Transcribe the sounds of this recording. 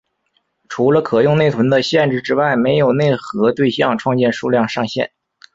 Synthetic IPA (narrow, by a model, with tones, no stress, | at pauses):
ʈ͡ʂʰu˧˥lə˧kʰɤ˨˩jʊ˥˧ŋne˥˩ɪt̪ʰə˧˥nd̪ə˧ɕjɛ˥˧nʈ͡ʂɻ̩˥˩ʈ͡ʂɻ̩˥wa˥˩ɪme˧˥ɪjo˨˩ʊne˥˩ɪxɤ˧˥t̪we˥˧ɪɕjɑ˥˧ŋʈ͡ʂʰwɑ˥˧ŋt͡ɕjɛ˥˧nʂu˥˧ljɑ˥˧ŋʂɑ˥˧ŋɕjɛ̰˥˩n